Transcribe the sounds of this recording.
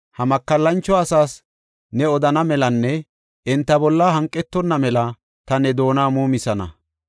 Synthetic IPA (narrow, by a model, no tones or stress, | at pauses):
hɐmɐkːɐlːɐnt͡ʃːɔɐsaːs | nɛɔd̪ɐnɐmɛlɐnːɛ | ʔɪnt̪ːɐbɔlːɐɦɐŋkʼːɛt̪ːɔnːɐmɛlɐ | t̪ɐnɛd̪o̞ːnaːmuːmɪsɐnɐ̰